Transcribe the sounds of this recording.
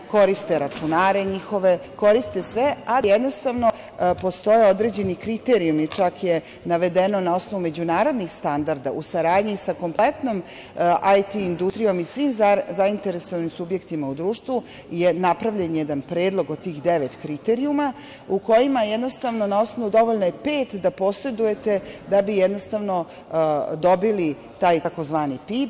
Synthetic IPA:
ko̞ɾist̪e̞ɾat͡ʂunaːɾeɲixo̞ʋe̞ko̞ɾist̪esʋeajed̪nost̪aʋno̞ | po̞st̪o̞jeod̪ɾe̞d͡ʑe̞nikɾit̪eɾiumit͡ʃakje | naʋe̞d̪eno̞nao̞sno̞ʋume̞d͡ʑunaːɾo̞d̪nixst̪and̪aɾd̪aʔusaɾaːd̪ɲisako̞mplet̪no̞m | ʔajt̪iːnd̪ust̪ɾijo̞misʋimzzaint̪eɾesoʋanimsubje̞kt̪imaud̪ɾuːʃt̪vu | jenapɾaʋʎenjed̪anpɾeːd̪lˠo̞ɡod̪̚t̪ːiːxd̪eʋet̪kɾit̪eɾiuma | uko̞jimajed̪no̞st̪aʋno̞nao̞sno̞ʋud̪o̞ʋo̞ʎnoje̞peːt̪d̪apo̞sɾe̞d̪uje̞t̪e̞d̪abijed̪no̞st̪aʋno̞ | d̪o̞bili | t̪aːjako̞zʋaːnipip

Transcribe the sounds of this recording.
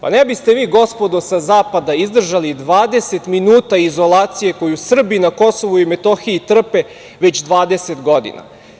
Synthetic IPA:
pa̰nebist̪e̞ʋiːɡo̞spo̞d̪osazaːpad̪aizd̪r̩ʒalid̪ʋaːd̪e̞se̞t̪minuːt̪aizo̞lˠaːt̪sije̞ko̞jusr̩binako̞so̞ʋuimet̪o̞xiit̪r̩pe | ʋe̞t͡ɕd̪ʋaːd̪eset̪ɡo̞d̪ḭna̰

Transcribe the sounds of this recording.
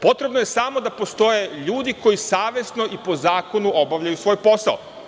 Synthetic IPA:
po̞t̪ɾe̞bnojesamo̞d̪apo̞st̪o̞jeʎuːd̪iko̞jisaːʋe̞sno̞ʔipo̞zaːko̞nuo̞baʋʎajusʋo̞ːjpo̞sa̰o

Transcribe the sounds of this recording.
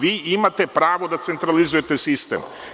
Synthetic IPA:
ʋiːimat̪epɾaːʋo̞d̪at̪se̞nt̪ɾalizuje̞t̪esist̪ḛm

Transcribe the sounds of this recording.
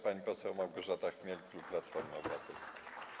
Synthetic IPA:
paɲipɔsɛwmawɡɔʐat̪axmʲjɛlʲklupːlat̪fɔɾmɨɔbat̪ɛlskʲi

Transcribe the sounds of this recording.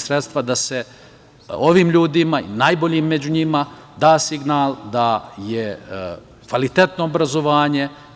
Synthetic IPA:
sɾet̪st̪ʋad̪ase̞ | oʋiːmʎuːd̪imaḭnajbo̞ʎiːmːed͡ʑuɲima | d̪aːsiɡnaːlˠd̪aje | kʋalit̪e̞t̪no̞ːbɾazo̞ʋaːɲe̞

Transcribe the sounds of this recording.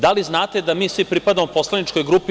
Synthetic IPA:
d̪aliznaːt̪ed̪amiːsʋipɾipad̪amopo̞slˠanit͡ʃko̞jɡɾupi

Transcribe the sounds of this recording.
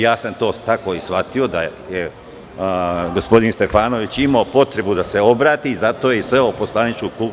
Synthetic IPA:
jaːsamt̪o̞ːt̪ako̞ːisʋat̪io̞d̪aje | ɡospo̞d̪inst̪e̞faːno̞ʋit͡ɕimaopo̞t̪ɾe̞bud̪ase̞o̞bɾaːt̪iːzat̪o̞ːjeisʋeoposlˠanit͡ʃkuku

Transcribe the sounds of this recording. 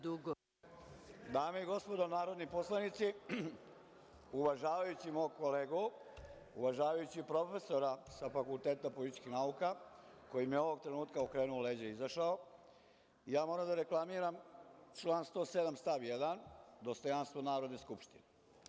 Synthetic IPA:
d̪uɡ | d̪aːmeiɡo̞spo̞d̪onaːɾo̞d̪niposlˠanit̪si | uʋaʒaːʋajut͡ɕimoːkoleːɡu | uʋaʒaːʋajut͡ɕipɾo̞fe̞so̞ɾasafakult̪e̞ːt̪apolit̪i̥t͡ʃkixnauka | ko̞jimjeo̞ʋo̞ɡ̚t̪ɾe̞nuːt̪kaokɾeːnuole̞ːd͡ʑeizaʃao | ijaːmo̞ɾamd̪aɾe̞klˠamiːɾamt͡ʃlaːnst̪o̞sed̪amst̪aʋjed̪and̪o̞st̪o̞jaːnst̪ʋo̞naːɾo̞d̪neskupʃt̪ine

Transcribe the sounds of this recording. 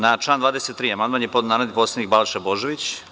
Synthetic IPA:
nat͡ʃlˠaːnd̪vaːd̪eset̪ːɾiːamand̪maːnjeponaːmaniposenik̚balʃebo̞ʒeʋit͡ɕ

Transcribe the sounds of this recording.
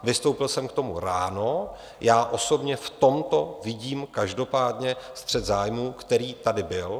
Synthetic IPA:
vɪst̪o̞wpɪlsɛmkt̪o̞muɾaːno̞ | jaːʔo̞so̞bɲɛft̪o̞mt̪o̞vɪɟiːmkaʒdo̞paːdɲɛst̪r̝̥ɛt̪zaːjmuːkt̪ɛɾiːt̪adɪbɪl

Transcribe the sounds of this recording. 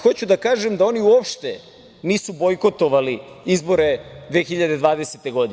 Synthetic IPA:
xo̞t͡ɕud̪akaːʒemd̪ao̞niuopʃt̪e | niːsubo̞jko̞t̪o̞ʋaliizbo̞ɾe̞d̪ʋe̞ːxiʎad̪e̞d̪ʋaːd̪e̞set̪eɡo̞d̪i

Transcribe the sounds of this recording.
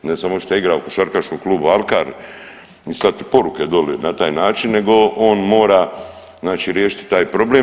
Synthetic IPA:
nesamoʃt̪ojiɡɾaukoʃaɾkaʃnokluːbualˠkaɾ | ist̪at̪ipo̞ɾuked̪olinat̪aːjnaːt͡ʃinːe̞ɡo̞o̞ːnmo̞ːɾa | znaːt͡ʃiːɾjeːʃi̥t̪t̪aːjpɾo̞ble

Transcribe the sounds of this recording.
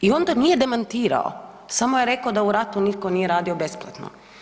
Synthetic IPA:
io̞nd̪anije̞d̪emant̪iːɾa̰o̰ | samo̞jeɾe̞kaod̪auɾat̪unit̪konijeɾaːd̪iobe̞splˠa̰t̪no̰

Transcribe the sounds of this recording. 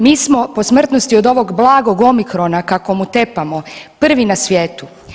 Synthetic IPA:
miːsmo̞po̞smr̩t̪nost̪iod̪o̞ʋo̞ɡblˠaːɡo̞ɡo̞mikɾo̞nakakomut̪e̞pamo̞pr̩ʋinasʋjeːt̪u

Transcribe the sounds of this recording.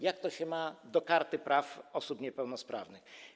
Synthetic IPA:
jak̚t̪ɔɕɛmad̪ɔkaɾt̪ɘpɾʔafɔsupɲɛpɛwnɔspɾavnɘx

